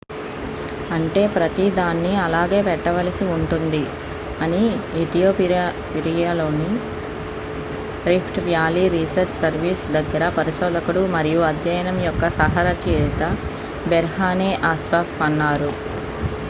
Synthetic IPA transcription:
ɐɳʈe̞ːpɾɐt̪id̪aːnːiɐlaːɡe̞ːpɛʈːɐʋɐlɐsiuɳʈund̪i | ɐniit̪ijoːpiɾa | piɾijaːlo̞ːni | ɾipʰʈʋjaːliɾisɐɾt͡ʃsɐɾʋiːsd̪ɐɡːɐɾɐpɐɾiʃoːd̪ʱɐkuɽumɐɾijuɐd̪jɐjɐnɐmjɔkːɐsɐɦɐɾɐt͡ʃiːɾit̪ɐ | bɛɾɦaːneːʔaːsʋaːfɐnːaːɾu

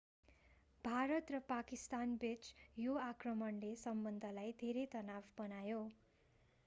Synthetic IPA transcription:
bʱaɾʌt̪rʌpakist̪anbet͡sjoakrʌmʌnlesʌmbʌnd̪ʱʌlajd̪ʱeɾet̪ʌnabbʌnajo

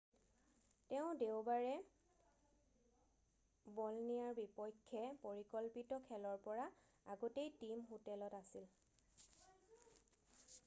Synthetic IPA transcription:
tɛʊ̃deʊbaɹɛ | bɔlnijaɹbipɔjkʰːɛpoɹikɔlpitɔkʰɛlɔɹpɔɹa | aɡɔtejtimɦotɛlɔtasil

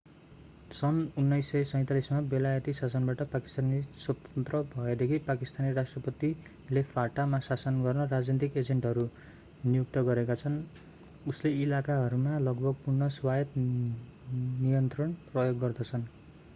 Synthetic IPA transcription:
sʌnunːʌjsːʌjsʌj̃t̪alismabelajʌt̪isasʌnbaʈʌpaki̥st̪aniswʌt̪ʌnt̪rʌbʱʌed̪ekʰipakist̪anirasʈrʌpʌt̪i | lepʰaʈamasasʌnɡʌrnʌrad͡znit̪iked͡zeɳʈɦʌɾu | nijuk̚t̪ʌɡʌɾekat͡sʰʌn | usleilakaɦʌɾumalʌɡbʱʌɡ̚purnʌswajʌt̪ | nijʌnt̪rʌnprʌjoɡːʌrd̪ʌt͡sʰʌn

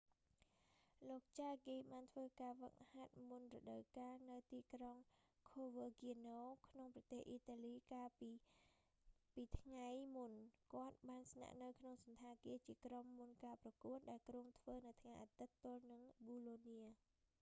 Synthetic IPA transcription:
loːk̚t͡ɕaːɡiːɓaːnt̪ʰʋəːkaːʋək̚hat̪̚munrɔɗəwkaːnɨwt̪iːkroŋkʰoːʋəɡiənoːkʰnoŋprɑt̪eːhʔiːt̪aːliːkaːpi | piːt̪ʰŋajmunkŏət̪̚ɓaːnsna̰ʔnɨwkʰnoŋsɑnt̪ʰaːkiət͡ɕiəkromːunkaːprɑkuət̪̚ɗaɛlkruəŋt̪ʰʋəːnɨwt̪ʰŋajʔaːt̪ɨt̪ːʊlnɨŋɓuːloːniə

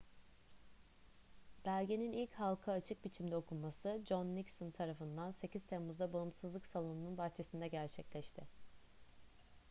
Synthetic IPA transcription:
b̥ælʲɟe̞ninilʲchalˠkʰaːt͡ʃʰɯk̚bit͡ʃʰimd̪ɛo̞kʰumasɯd͡ʒonːicsɯnt̪ʰaɾafɯnd̪anse̞ciz̥t̪ʰemuzd̪abaɯmsɯzlˠɯksalˠonununbaxt͡ʃʰe̞sind̪ɛɟæɾt͡ʃʰɛclʲɛʃt̪ʰɪ

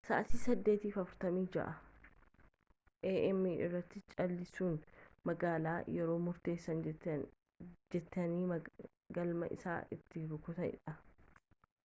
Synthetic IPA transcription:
sɐʔɐsɪsɐd̪ːeːt̪iːfɐfʊɾt̪ɐmiːd͡ʒɐ̰ʔɐ | ʔeːʔɛmːiːʔɪ̰rːɐt̪ːɪt͡ʃʼɐlːɪsuːnmɐɡaːlaːjɛɾo̞ːmʊɾt̪e̞ːsːɐn | d͡ʒɛt̪ːɐniːɐ | ɡɐlmɐ̰ʔɪ̰sa̰ːʔɪt̪ːɪɾʊkʊt̪ɐʔɪ̰ᶑɐ

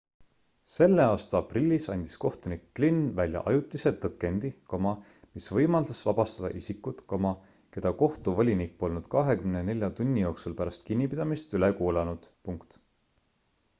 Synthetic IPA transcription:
se̞lːe̞ɑːst̪ɑɑprilʲːisɑnʲd̪̥i̥sko̞ht̪unikːlinvælʲjɑ̰ʔɑjut̪ːˑise̞t̪ɤkːˑe̞nd̪̥ikomɑ | misvɤjmɑld̪̥ɑsvɑb̥ɑst̪ɑd̪ɑ̰ʔisikːut̪komɑ | ke̞d̪̥ɑko̞ht̪uvolʲinikːo̞lnud̪̥kɑɦe̞kymnene̞lʲjɑt̪unʲːijo̞ːksulpæɾɑst̪kinʲːipid̪̥ɑmist̪ylekuːlɑnud̪̥puŋkt̪

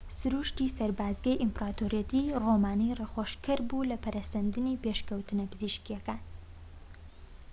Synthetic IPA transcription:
sɾuʃt̪isɐɾbaːzɡɐjʔimpɾat̪ʰoɾjet̪ʰiromaːnireχoʃkʰɐɾbulɐpʰɐɾɐsɐnd̪ɨnipeʃkɐwt̪ɨnɐpɨziʃkijɐkaːn

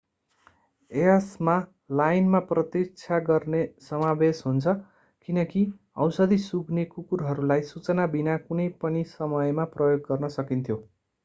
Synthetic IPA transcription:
eʌsma | lajnmaprʌt̪ik̚t͡sʰaɡʌrnesʌmabesɦunt͡sʰʌ | kinʌki | ʌ̰wsʌd̪isuɡnekukuɾɦʌɾulajsut͡sʌnabinakunʌjpʌnisʌmʌjmaprʌjoɡːʌrnʌsʌkint̪ʰjo

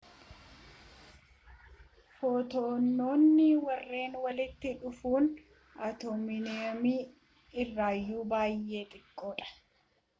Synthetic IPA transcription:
foːt̪oːnːo̞ːnːɪwɐrːe̞ːnwɐlɪt̪ːɪᶑʊfuːn | ɐt̪oːmɪneːmi | ɪrːaːjːuːbaːjːe̞ːt̪ʼɪkʼːoːᶑɐ̥

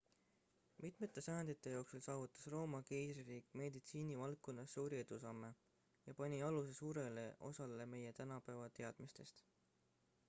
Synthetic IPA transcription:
mit̪ˑme̞t̪ːˑe̞sæːnd̪̥it̪ːˑe̞jo̞ːksulsɑːvut̪ːˑɑ̥sro̞ːmɑkejsririːkˑme̞d̪it̪siːnivɑlkːo̞nːɑsːuːɾie̞d̪̥usɑmːe̞ | jɑpɑnʲiɑluse̞suːɾe̞le̞ʔo̞̰sɑle̞me̞je̞t̪ænɑpævɑt̪e̞ɑd̪̥mist̪e̞st̪

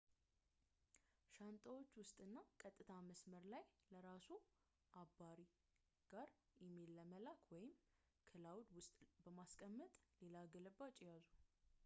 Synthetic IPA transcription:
ʃant̪ʼəwo̞t͡ʃːwʊst̪ʼɨnːakʼət̪ʼːɨt̪ʰaməsməɾlajləɾasu | ʔabːaɾi | ɡ̥aɾjɛmelːəməlakʰwɔjɪm | kʰɨlawd̪wʊst̪ʼbəmaskʼəmːət̪ʼle̞laɡələbːat͡ʃʼjazu

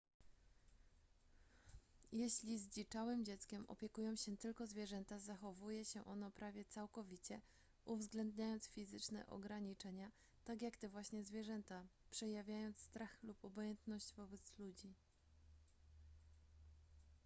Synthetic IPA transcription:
jɛɕlʲizd͡ʑit͡ʂawɘmd͡ʑɛt̪skʲɛmʔɔ̰pʲjɛkujɔ̃w̃ɕɛt̪ɘlkɔzvʲjɛʐɛnt̪azaxɔvujɛɕɛʔɔnɔpɾavʲjɛt̪sawkɔvʲit͡ɕɛ | ʔuvzɡlɛnd̪ɲajɔnt̪sfʲizɘt͡ʂnɛ̰ʔɔ̰ɡɾaɲit͡ʂɛɲa | t̪akʲjakt̪ɛvwaɕɲɛzvʲjɛʐɛnt̪apʂɛjavʲjajɔnt̪sst̪ɾaxlupɔbɔjɛnt̪nɔɕd͡ʑvɔbɛt̪slud͡ʑi

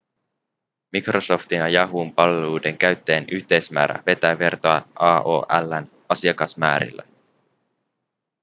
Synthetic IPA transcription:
mikro̞so̞ft̪inɑjɑɦumpɑlːelude̞ŋkæɥt̪ːeːnyçt̪e̞jsmæ̰ːɾæ̰ʋe̞t̪æʋe̞rt̪oɑʔɑːʔo̰ːʔælːæn | ɑsiɑkɑsmæːɾḭlːæ̰

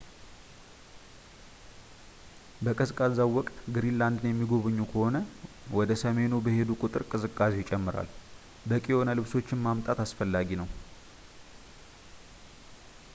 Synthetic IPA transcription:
bəkʼəsɨkʼazawɔkʼt̪ɡɨɾinland̪njɛmːiɡo̞βɨɲːukʰəho̞nə | wɔd̪əsəme̞nubəhe̞d̪ukʼut̪ʼɨɾkʼɨsɨkʼːaset͡ʃʼɛmːɨɾa̰l | bəkʼio̞nəlɨβso̞t͡ʃːɪnmamt̪ʼat̪asfəlːaɡinəw

